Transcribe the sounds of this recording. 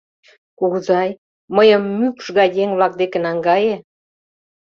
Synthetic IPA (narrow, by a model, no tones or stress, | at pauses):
kuɣzɑj | məjəmːykʃɣɑjdʲeŋβlɑk̚d̪ekĕnɑŋɡɑje